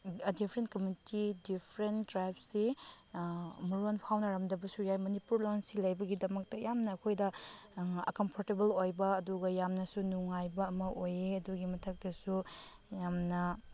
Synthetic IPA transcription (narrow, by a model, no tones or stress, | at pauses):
dipʰɾent̚kɐmitidipʰɾentdɾajbsi | muɾonpʰawnɐɾɐmdɐbɐsujajmɐnipuɾlonsilɐjbɐɡidɐmɐk̚tɐjamnɐːkʰojdɐ | ɐ̰kɐmpʰoɾtebelojbɐːduɡɐjamnɐsunuŋajbɐːmɐʔojeɐduɡimɐtʰɐk̚tɐsu | jamnɐ